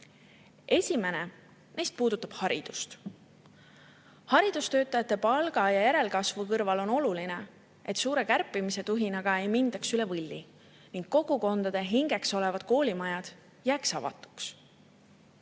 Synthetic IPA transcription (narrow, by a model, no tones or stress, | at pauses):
ʔe̞sʲime̞ne̞ | ne̞jst̪̚puːd̪̥ut̪ːˑɑb̥hɑɾḭd̪̥u̥st̪ | hɑɾid̪̥ust̪ø̞ːt̪ːˑɑjɑt̪ːe̞pɑlɡ̥ɑjɑjæɾe̞lkɑsvukɤrvɑlo̞no̞luline | e̞t̪suːɾe̞kærpːˑimise̞t̪uɦinɑɡ̥ɑe̞jmind̪̥ɑksylevɤlʲːi | niŋɡkːo̞ɡ̥uko̞nd̪ɑd̪̥e̞ɦiŋɡ̥e̞kso̞le̞vɑd̪̥̚ko̞ːlʲimɑjɑd̪̥ | jæːksɑ̰vɑ̰t̪ːˑu̥ks